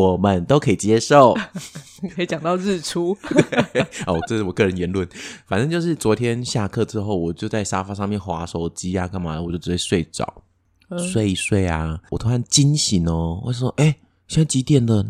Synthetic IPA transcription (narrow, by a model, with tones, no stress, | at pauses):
wɔ˨˩mə˨˦nt̪o˥ʊkʰɤ˧˥i˨˩t͡ɕjɛ˥ʂo˥˨˩ʊ˨ | kʰə˧˥i˨˩t͡ɕjɑ˨˩ŋt̪ɑ˥˧ʊɻ̩˥˩ʈ͡ʂʰu˥t̪we˥˩ɪɔ˧˩ɔ˨˩ɤ˥˧ʂɻ̩˥˩wɔ˨˩kɤ˥˩ɻə˧˦njɛ˧˦˥nlwə˥˩˦nfa˨˩nt͡sə˥˧ŋt͡ɕjo˥˧ʊʂ̬ɻ̩˥˩t͡swɔ˧˥t̪ʰjɛ˦˥nɕja˥˧kʰɤ˥˨ʈ͡ʂɻ̩˧˥xo˥˩ʊwɔ˨˩t͡ɕjo˥˧ʊt͡sa˥˩ɪʂa˥fa˧˥ʂɑ˥˧ŋmjɛ˥˩nxwa˧˥ʂo˨˩ʊt͡ɕi˥a˧kʰa˥˩nma̰˨wjo˥˩ɻ̩˧˥e˥˩swe˥˩ɪʈ͡ʂɑ̰˨˩˦ʊ | swe˥˧ɪswe˥˩ɪa̰˨˩wɔ˨˩t̪ʰo˥a˥˩nt͡ɕi˥nɕi˧˦nə˦wɔ̰˨˩˥o˥˧ʔe˥˩ɪ | ɕi˥˩n˥˩t͡ɕi˧˥t̪jɛ˨˩nd̪ə˨